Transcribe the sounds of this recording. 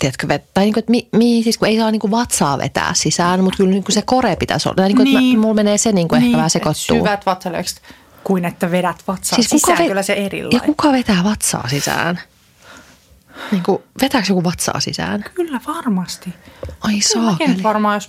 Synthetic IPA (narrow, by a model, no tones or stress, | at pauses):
t̪iæt̪køʋet̪t̪ɑiniːŋkuet̪mimihisiskueisɑːniːkuʋɑt̪sɑːʋḛt̪æ̰ːssisæːnmut̪kylnniːŋkusekoɾepit̪æ̰so̰lːɑt̪ɑiniːkenmmulmeneːseniːŋkuehkːæʋæhæsekott̪sːṵyːʋæt̪ʋɑt̪sɑlḛːˑkst̪ | kuinet̪ːæʋedæt̪ʋɑt̪sɑsiːskukɑekylːæseerḭlːjɑkukɑʋet̪æːʋɑt̪sɑ̰ːsisæ̰ːn | niːŋkuʋet̪æːksjokuʋɑt̪sɑ̰ːsḭsæ̰ːnkylːæʋɑrmɑst̪iɑisɑːkinyʋɑrmɑːjos